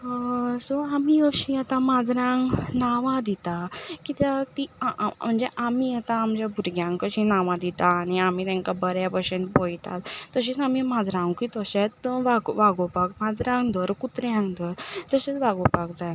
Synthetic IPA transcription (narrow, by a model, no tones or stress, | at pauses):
sɔamiəɕĩjat̪ãmad͡zɾãŋɡnaʋãd̪it̪akit̪at̪im̤əɳd͡zeʔamijat̪aːmd͡ʑabʱuɾɡjãŋkəɕĩnaʋãd̪it̪aːniamit̪ɛ̃ŋkabəɾjapəɕenpɔjt̪a̰t̪t̪ːəɕ̬it͡samimad͡zɾãŋɡkit̪əɕet͡sʋaɡʋaɡɔpak̚mad͡zɾãŋɡd̪əɾkut̪ɾjãŋɡd̪əɾt̪əɕet͡sʋaɡɔpakd͡zaj